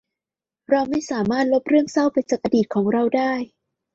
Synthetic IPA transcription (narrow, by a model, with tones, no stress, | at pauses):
ɾa˧wma˥˩jsaː˩˦maː˥˩t̪̚lo˦˥p̚ɾɯ˥˩əŋsa˥˩wpa˧jt͡ɕaː˨˩k̚ʔa˧diː˨˩t̪̚kʰɔː˩˦ŋɾa˧wdaː˥˩j